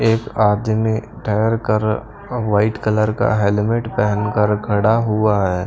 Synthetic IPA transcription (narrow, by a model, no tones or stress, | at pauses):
eːkaːd̪ʱme | ʈʰəjəɾkəɾ | ʋaːɪʈkələɾka̰ɦeːlɪmeʈpɛɦənkəɾkʰɐɽaɦuaɦɛː